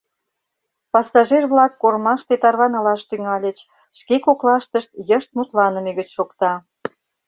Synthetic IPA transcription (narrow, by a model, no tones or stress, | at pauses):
pɑsɑʒerβlɑkːoɾmɑʃt̪et̪ɑrβɑnɑlɑʃt̪yŋɑlʲət͡ɕ | ʃkekoklɑʃt̪əʃt̪jəʃt̪̚mut̪lɑnə̆meɣət͡ɕʃokt̪ɑ